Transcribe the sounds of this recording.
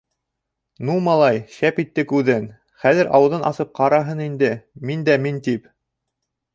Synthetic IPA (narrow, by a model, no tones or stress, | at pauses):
numɑlˠɑjʃæpit̪ːɘkʉðɘn | χæðɘɾʔɑ̰wɤ̆ðɤnʔɑ̰sɤp̚qɑɾɑɦɤnind̪ɘmind̪æmint̪ip